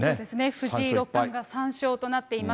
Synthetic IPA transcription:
od̪e̞sɨne̞ɸɯ̟ʑiɾo̞kːãŋɡasãɰ̃ɕo̞ːt̪o̞nat̪ːe̞ima

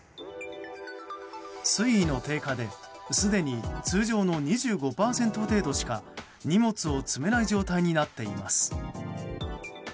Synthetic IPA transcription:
sɨiːno̞t̪e̞ːkad̪e̞sɨd̪e̞ɲ̟it͡sɨːʑo̞ːno̞ɲ̟iʑɨːɡo̞paːsẽ̞nt̪o̞t̪e̞ːd̪o̞ɕi̥ka | ɲ̟imo̞t͡sɨo̞t͡sɨme̞naiʑo̞ːt̪aiɲ̟inat̪ːe̞imasɨ̥

